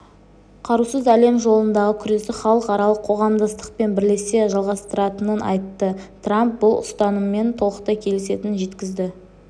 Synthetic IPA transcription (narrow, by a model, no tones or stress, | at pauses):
qʰɑɾusəzæle̞mʒo̞lˠənd̪ɑʁəkʲʰʏɾe̞sɪχɑlˠəqɑɾɑlˠəqʰːoʁɑmd̪ɑst̪ə̥q̚pe̞nbɪɾle̞se̞ʒɑlˠʁɑst̪əɾɑt̪ənənʔɑ̰jt̪ːət̪ʰramp̚bʊlˠʊ̰st̪ɑnəme̞nt̪ʰo̞lˠəqt̪ɑkʲʰe̞lɪse̞t̪ɪnʒe̞t̪kʲɪzd̪ɪ